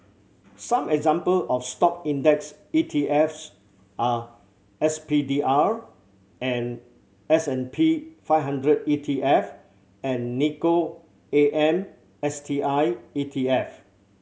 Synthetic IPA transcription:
sãmɛɡzãmpəlɔfstɔk̚ĩndɛks | itʰiʔɛfs | ʔa | ɛspidiʔaɹ | ɛ̃n | ɛsɛ̃npʰifaɪvhãndɹəditʰiʔɛf | ɛ̃nːiko | eʔɛ̃m | ɛstʰiʔaɪitʰiɛf

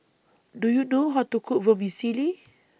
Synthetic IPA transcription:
dujunoɦat̪ukʰuʔvəmisili

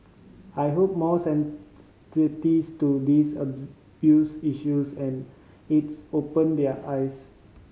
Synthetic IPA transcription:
ajɦop̚mɔsɛ̃n | sitistudisəb | bjusiʃusɛ̃n | itopə̃ndɛəʔajs

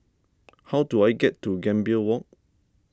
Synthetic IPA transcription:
hawtuajɡɛtːuɡɛ̃mbiəwɔk̚

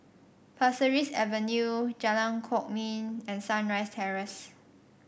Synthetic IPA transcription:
pʰasəɹisɛ̰vənjud͡ʒɛlãnkʰɔk̚mĩnɛ̃nsãnɹaɪstʰɛɹəs

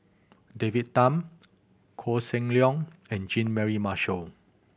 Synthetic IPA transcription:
devit̚tãm | kʰɔsɛ̃ŋliɔ̃ŋɛ̃nd͡ʒĩnmɛɹimaʃəl

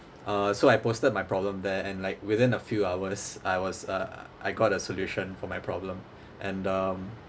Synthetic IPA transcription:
ʔʌsoajpostəd̚majpʰɹɔblə̃md̪ɛɛ̃nlaɪk̚wɪðɪ̃nəfjuawəsajwɔsʌʔaɪɡɔtəsɔljuʃə̃nfɔmajpʰɹɔblə̃m | ʔɛ̃nʌm

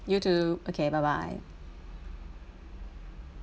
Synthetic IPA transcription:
jutʰʉbokʰeɪbaɪba̰ɪ

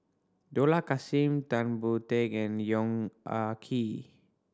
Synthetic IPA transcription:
dolakasimt̪anbut̪ekɛ̃njɔŋakʰi

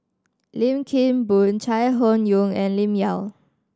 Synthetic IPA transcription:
lĩmkʰĩnbunt͡ʃʰajɦonjũŋɛ̃nlĩmjal

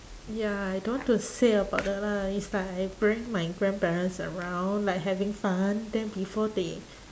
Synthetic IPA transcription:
jaajdõwɔ̃ntuseəbaʊt̚dɛt̚laislaɪkajbɹĩŋmaɪɡɹɛ̃npɛɹə̃nsə̰ɹãw̃nlaɪjk̚ɦɛvɪ̃ŋfãndɛ̃nbifɔde

